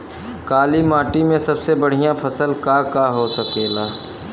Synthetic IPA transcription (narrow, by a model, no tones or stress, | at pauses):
kaːlimaːʈimẽsɐbsebɐɽ̤ijãpʰɐsəlkaːkaɦosɐkeːlaː